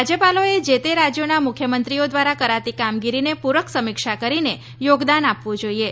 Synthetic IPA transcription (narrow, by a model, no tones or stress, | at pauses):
ad͡ʒjəpaloed͡ʒet̪eɾad͡ʒjonamʊkʰjəmənt̪ɾiod̪ʋaɾakəɾat̪ikamɡiɾinepuɾəksəmɪkʃakəɾine | joɡd̪anapʋũd͡ʒoie